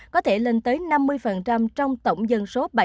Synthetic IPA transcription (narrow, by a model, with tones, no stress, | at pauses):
kɔ˨˦t̪ʰe˧˩le˨˩nt̪əː˨˦jna˧mːɨ˧əjfə˨˩nt͡ɕa˧mt͡ɕɔ˧wŋ͡mt̪ə˧˩wŋ͡mzə˨˩nso˨˦ɓa˧˩